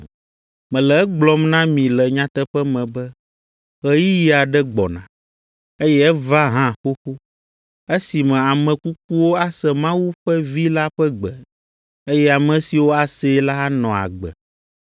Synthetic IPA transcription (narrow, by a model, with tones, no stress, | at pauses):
mɛ̃˨lɛ˨ɛ˦ɡ͡blɔ˦mnã˦mĩ˨lɛ˨ɲã˦t̪ɛ˦ɸɛ˦mɛ̃˨bɛ˦ | ɣɛ˦ji˦ji˦a˨ɖɛ˦ɡ͡bɔ˨nã̰˨ | e˦jɛ˦ɛ˦va˦ɦã˦˨xo˦xo˦ | e˦si˨mɛ̃˨a˨mɛ̃˨ku˦k̚u˦wo˦a˦sɛ˨mã˦wu˦ɸɛ˦vi˦la˦ɸɛ˦ɡ͡bɛ˨ | e˦jɛ˦a˨mɛ̃˨si˨wo˦a˨se˦la˦nɔ̃˨a̰˨ɡ͡bɛ̰˨